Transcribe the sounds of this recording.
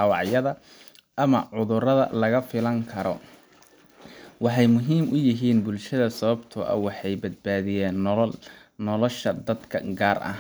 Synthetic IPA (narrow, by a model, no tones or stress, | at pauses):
ɑːwɑʕjɐðɐ | ʔɐmɐʕʊðʊrɐðɐ̰lɐɣɐfɪlɐŋkʰɐɾɔ | wɑħɑjmʊɦiːmʔʊjɪɦiːnbʊlʃɐðɐsɐβɐbt̪ʰʊʔɐ̰wɑħɑjbɐd̪̚baːðɪjɛːn | nɔlɔʃɐd̪ɐd̪kʰɐ̰ɡaːrʔɐ̰